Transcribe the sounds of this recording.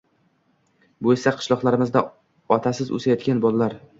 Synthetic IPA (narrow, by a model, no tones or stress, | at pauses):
bʊesaqʰɨ̥ʃlˠɒqlˠaɾɪmɪzd̪a | ɒt̪ʰasɪzo̰sajɒt̪̚kʲanbɒlˠalaɾ